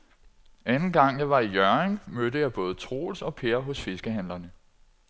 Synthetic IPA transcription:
ænn̩ɡ̥ɑ̈ŋ̰jɑ̈ɪʋɑ̈ijœɐeŋmød̥əjɑ̈ɪb̥ɔ̽ːð̞̩ˠət͡sʰʁo̝̰ːlsɒ̽pʰe̝ɐɦɔ̽sfe̝sɡ̥əɦæn̰lɐnə

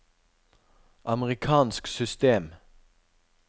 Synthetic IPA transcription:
ʔɑməʁɪkʰɑːnsksʏst̪eːm

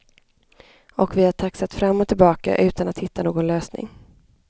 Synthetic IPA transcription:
ɔkvɪhaʈʰaksat̪fɾamːɔt̪ʰɪlbɑːka̰ʔʉ̟ːt̪anat̪hɪt̪ːanoːɡɔnløːsnɪ̰ŋ

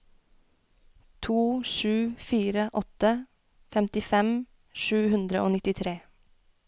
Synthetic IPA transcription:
t̪ʰuːʃʉːfiːɾəʔɔt̪ə | fɛmt̪ɪfɛm | ʃʉːhʉnd̪ɾəʔoːnɪt̪ɪt̪ʰɾeː

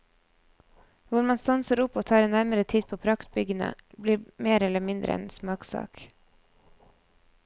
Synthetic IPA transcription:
ʋʊɾmɑnst̪ɑnsəɾʊpoːt̪ʰɑːɾɛnæɾməɾət̪ʰiːd̪̚pʰoːpʰɾɑkt̪̚bʏɡənə̰bliːmeːɾɛləmɪnd̪ɾʔə̰ɛ̰nsmɑːksɑ̰ːk

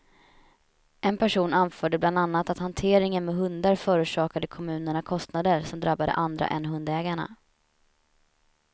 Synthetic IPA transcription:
ʔɛnpʰæʂuːnanfœːɖəbland̪anːat̪at̪hant̪ʰeːɾɪŋənmɛɦɵnd̪aɾfœːɾʉːʂɑːkad̪əkʰɔmʉ̟ːnəɳakʰɔst̪nad̪əɾsɔmd̪ɾabːad̪ə̰ʔand̪ɾa̰ʔɛ̰nɦɵnd̪ɛːɡaɳa̰

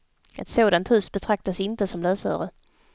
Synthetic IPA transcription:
ɛt̪soːd̪ant̪hʉ̟ːsbɛt̪ʰɾak̚t̪asɪnt̪əsɔmlœːsœ̰ːɾə

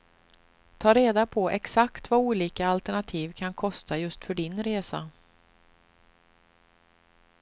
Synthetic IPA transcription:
t̪ʰɑːɾeːd̪apʰɔʔɛksakt̪vauːliːkaːlt̪ɛɳat̪ʰiːvkʰankʰɔst̪ʰajɵst̪fœɖɪnɾeːsa̰

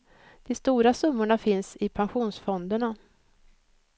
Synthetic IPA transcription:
d̪̥ɛst̪uːɾasɵmːʊɳafɪnsɪpʰanɧuːnsfɔnd̪əɳa

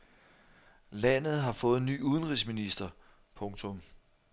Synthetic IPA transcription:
læn̰ð̩ˠɦɑ̈fɔ̽ːð̞̩ˠny̰ːuð̞ˠən̩ʁisminisd̥ɐ | pʰɔ̽ŋt͡sʰɔ̽m

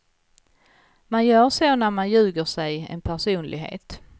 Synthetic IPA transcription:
manjœːɾʂoːnæɾmanjʉ̟ːɡəʂɛjɛ̰npʰæʂuːnlɪ̰ɡɦḛːt̪

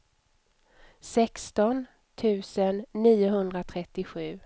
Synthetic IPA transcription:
sɛkst̪ɔn | t̪ʰʉ̟ːsənːiːʊɦɵnd̪ɾat̪ʰɾɛt̪ːɪɧʉ̟ː

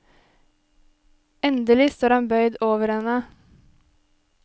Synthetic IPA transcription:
ɛnd̪əlɪst̪oːɾɑnbœʏd̪oːʋəɾhɛnə

